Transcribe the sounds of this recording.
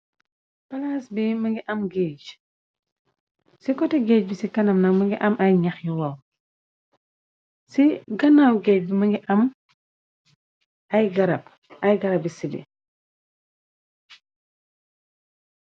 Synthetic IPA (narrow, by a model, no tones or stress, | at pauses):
pɐlasbimɐŋɡiʔɐmɡiːɟ | sikɔtɛɡɛːc̚bisikɐnɐmnɐkmɐŋɡiʔɐmʔɐjɲɐxjiwɐw | siɡɐnawɡɛːc̚bimɐŋɡiʔɐm | ɐjɡɐɾɐb̚ | ɐjɡɐɾɐb̚isibḭ